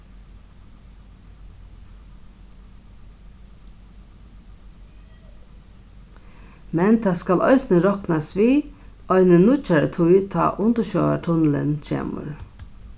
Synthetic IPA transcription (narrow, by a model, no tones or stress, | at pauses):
mɛnt̪ʰɑːskalʔɔ̰ɪsɪnəɾɔknasʋiːɔɪnɪnːʊt͡ʃaɹət̪ʰʊjt̪ʰɑ̰ːʔʊnt̪əʃœːʋa̰ʈʰʊnlɪ̰nt͡ʃʰḛːmʊ̰ɾ